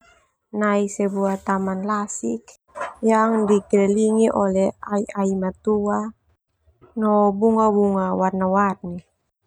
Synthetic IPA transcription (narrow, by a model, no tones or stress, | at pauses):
naisɛbuat̪amanlasik | jaŋdikɾɛliŋiʔɔlɛaiaimat̪ua | nɔbuŋabuŋawarnawarni